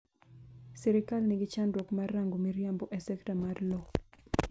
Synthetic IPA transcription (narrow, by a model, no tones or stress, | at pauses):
sɛɾɪkalniɡɪt͡ʃandwɔkmarːaŋɡomiɾjambɔʔɛsɛktamarlɔ